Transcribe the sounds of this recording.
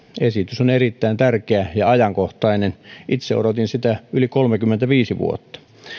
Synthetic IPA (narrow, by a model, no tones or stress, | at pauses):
esit̪ysonerit̪ːæint̪ærkeæjɑɑjɑŋkoht̪ɑinenʔit̪seo̰rot̪insit̪æylikolmekymːent̪æʋiːsiʋṵo̰t̪ːɑ̥